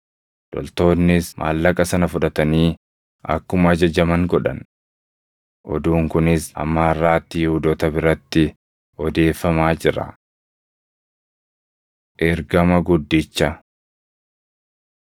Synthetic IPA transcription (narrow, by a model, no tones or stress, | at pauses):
d̪̥ɔ̰lt̪o̞ːnːɪsmʔa̰ːlːɐkʼɐsɐnɐfʊᶑɐt̪ɐniː | ʔɐ̰kːʊmɐɐd͡ʒɐd͡ʒɐmɐŋɡɔᶑɐ̰n | ʔɔd̪uːŋkʊnɪsɐ̰mːaːrːaːt̪ːiːhʊd̪ɔt̪ɐbɪɾɐt̪ːɪ | ɔd̪e̞ːfːɐmaːd͡ʒɪɾɐ̰ | ʔɛɾɡɐmɐɡʊd̪ːɪt͡ʃːɐ